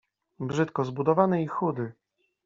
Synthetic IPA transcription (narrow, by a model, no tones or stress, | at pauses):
bʐɘt̪kɔzbud̪ɔvanɛixud̪ɘ